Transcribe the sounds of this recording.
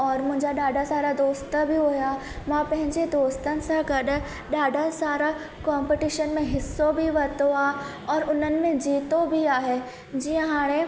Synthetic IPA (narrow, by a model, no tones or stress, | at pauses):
ɔːɾmʊ̃ɦɪ̃ɲd͡ʑaɗaːɖʱasaːɾad̪oːst̪bʱɪɦʊja | mãpɐ̃ɦɪ̃ɲd͡ʑed̪oːst̪ənɪ̆sãɡɐɗʊ̆ | ɗaːɖʱasaːɾa | kɔ̃ːmpɪʈiʃənmẽɦɪsːobʱɪʋɐt̪oaː | ɔːɾʊn̤ənɪ̆mẽd͡ʑiːt̪obʱiaːɦe | d͡ʑiːə̃ɦaːɽ̃e